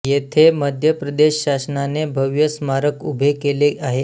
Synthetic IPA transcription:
jet̪ʰeməd̪ʱjəpɾəd̪eɕɕasnanebʱəʋjəsmaɾəkubʱekeleaɦe

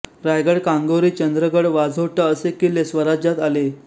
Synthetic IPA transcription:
ɾajɡəɽkãŋɡoɾiːt͡ɕənd̪ɾəɡəɽʋad͡zʱoʈəəsekilesʋəɾad͡ʑjat̪ale

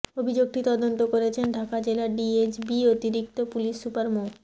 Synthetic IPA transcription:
obʱid͡ʑoɡ̚ʈit̪ɔd̪ont̪okoɾet͡ɕʰenɖʱakad͡ʑelaɖiet͡ɕbiot̪iɾik̚t̪opuliʃːupaɾmo

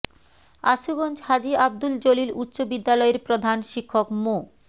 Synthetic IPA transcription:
a̰ʃuɡond͡ʑhad͡ʑiab̚d̪uld͡ʑolilut̪ːɕobid̪ːalɔeɾpɾod̪ʱanʃikʰːokmo

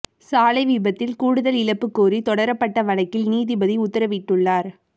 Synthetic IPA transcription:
saːlɐɪʋiːbɐt̪ːɪlkuːɽɯðɐlɪɻɐpːɯkːoːɾit̪ɔɽɐɾɐpːɐʈːɐʋɐɳɐkːɪlniːðibɐðiʊt̪ːɐɾɐʋɪʈːɯɭːaːɾ

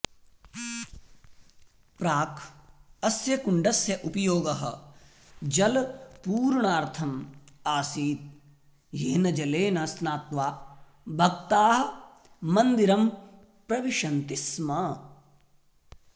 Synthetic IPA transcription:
pɾaːkʰɐsjɐkuɳɖɐsjɐʔupɐjoːɡɐɦɐ̆ | d͡ʒɐlpuːɾɳaːɾt̪ʰɐmaːsiːt̪̚ | jeːnɐd͡ʒɐleːnɐsnaːt̪ʋaː | bʱɐk̚t̪aːɦɐː | ɐnd̪iɾɐm | pɾɐʋiʃɐnt̪ismɐ

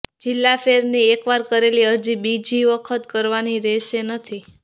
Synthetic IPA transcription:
d͡ʒɪlːafeɾniekʋaɾkəɾeliəd͡ʒibid͡ʒʱiʋəkʰət̪kəɾʋaniɾɛʃenət̪ʰi

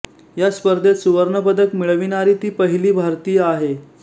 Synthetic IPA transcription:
jaspəɾd̪ʱet̪suʋəɾɳəpəd̪əkmiɭʋinaɾiːt̪iːpəɦiliːbʱaɾt̪iːjaɦe

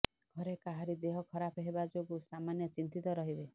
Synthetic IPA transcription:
ɡʱɔɾekaɦaɾid̪eɦɔkʰɔɾapʰɔɦebad͡ʒoɡusamanjɔt͡ʃint̪it̪ɔɾɔɦibe

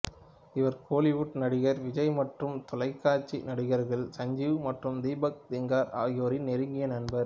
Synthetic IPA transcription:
ɪʋɐɾkʰoːlɪʋʊʈnɐɽɪɣɐɾʋɪd͡ʒɐɪmɐʈrɯmt̪ɔlɐɪkːaːɾt͡ʃinɐɽɪɣɐɾɣɐɭsɐɲd͡ʒɪʋɯmɐʈrɯmd̪iːbɐk̚d̪ɪŋɡaːɾa̰ːjoːɾɪnnɛɾɯŋɡɪjɐnɐnbɐɾ

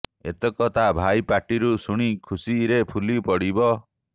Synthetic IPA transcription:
ḛt̪ɔkɔt̪abʱajpaʈiɾusuɽ̃ikʰusiɾepʰulipɔɽibɔ

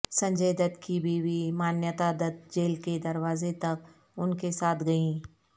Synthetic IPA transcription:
sɐ̃ɲd͡ʒeːd̪ət̪kibʱiwimaːnjət̪ad̪ət̪̚d͡ʒeːlked̪ɐɾwaːzet̪ɐk | ʊnkesaːt̪ʰɡɐĩː

